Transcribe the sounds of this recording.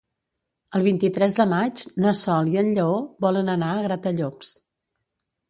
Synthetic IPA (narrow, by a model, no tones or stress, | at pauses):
əlˠβ̞int̪it̪ɾɛzðəmad͡ʒnəsɔliənʎəoβɔlənənaəɣɾat̪əʎops